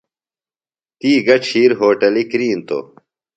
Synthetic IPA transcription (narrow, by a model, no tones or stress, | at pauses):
t̪iːɡɐʈ͡ʂʰiːɾɦoːʈɐlikɾiːnt̪o̰